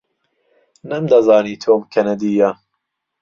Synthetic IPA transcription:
nɐmd̪ɐzɑːniːt̪ʰoːmkʰɐnɐd̪iːja

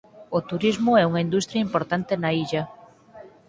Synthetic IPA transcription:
ot̪uɾizmʊɛuŋaind̪ust̪ɾjɐimpoɾt̪ant̪enaiʎɐ

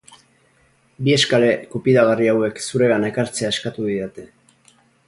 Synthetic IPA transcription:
bie̞skale̞kopiðaɣariawe̞ksuɾe̞ɣanekaɾt͡se̞ae̞skat̪uðiðat̪e̞

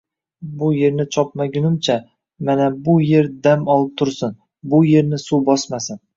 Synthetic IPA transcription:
bʊje̞ɾnɪt͡ʃʰɒpmaɡʲʊnɪmt͡ʃʰa | manabʊje̞ɾd̪amɒlˠɪp̚t̪ʰʊɾsɪn | bʊje̞ɾnɪsubɒsmasɪn

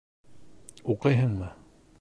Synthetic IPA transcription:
uqɤjɦɤɴmɤ

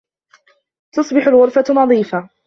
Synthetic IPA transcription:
t̪ɑsˤbɪħʊlɣʊɾˤfanɑðˤiːfa

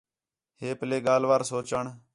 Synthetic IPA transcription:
ɦeːpəleːɡaːlʋaːɾsoːɾt͡ʃəɳ

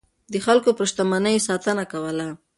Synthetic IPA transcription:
d̪əxalkopɾəʃt̪amanəjsɑt̪ənakawəla

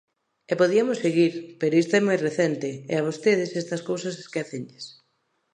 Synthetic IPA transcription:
epoðiɐmosːeɣiɾpeɾoist̪aɛmojreθɛnt̪ɪeaβ̞ost̪eðɪsɛst̪ɐskowsɐseskɛθeɲʎes

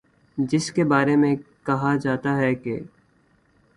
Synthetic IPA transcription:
d͡ʒɪskebaːɾemẽkɐɦad͡ʒaːt̪aɦɛkeː

